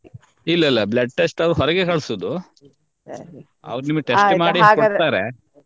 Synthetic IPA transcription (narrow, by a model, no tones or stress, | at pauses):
ilːɐilːɐblɐʈːesʈɐʋɾuɦɔɾɐɡekɐɭsoːd̪u | ɐ̰ʋɐɾuniːmɐɡʈesmaːɽikoaːɾe